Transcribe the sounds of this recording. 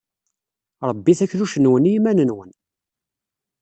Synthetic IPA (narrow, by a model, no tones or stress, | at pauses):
ɾˤəbːiθæçluʃənwənijmænənwən